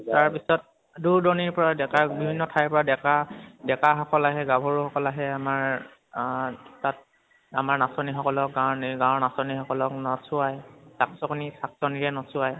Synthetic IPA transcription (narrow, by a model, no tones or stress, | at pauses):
taɹpisɔt̚ | duɹdɔniɹpɔɹadɛkabibʱinːɔtʰajpɔɹadɛkadɛkaxɔkɔlaɦɛɡabʱɔɹuxɔkɔlaɦɛamaɹ | tat̚ | a̰maɹnasɔnixɔkɔlɔk̚ɡawniɡãwnasɔnixɔkɔlɔknɔsʊajsaksɔkonisaksɔniɹɛnɔsʊaj